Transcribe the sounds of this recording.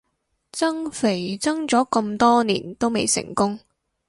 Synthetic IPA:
t͡sɐ˥ŋfe˨˩jt͡sɐ˥ŋt͡sɔː˨˥kɐ˧mt̪ɔː˥nḭː˨˩nt̪o˥wme˨˧jsɪ̰˨˩ŋkʊ˥ŋ

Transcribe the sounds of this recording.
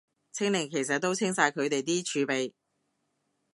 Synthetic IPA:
t͡sʰɪ˥ŋlɪ˨˩ŋkʰe˨˩js̬ɐ˨t̚t̪ːo˥wt͡sʰɪ˥ŋsaː˧jkʰɵ˨˧t̪e˨jt̪̬iː˥t͡ʃʰyː˨˧pe˨j

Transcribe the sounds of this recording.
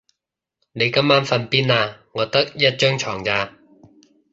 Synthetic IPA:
ne˨˧jkɐ˥mːaː˥nfɐ˧npiː˥naː˧ŋɔː˨˧t̪ɐ˥k̚jɐ˥t̚t͡ʃœː˥ŋt͡ʃʰɔː˨˩ŋt͡saː˧

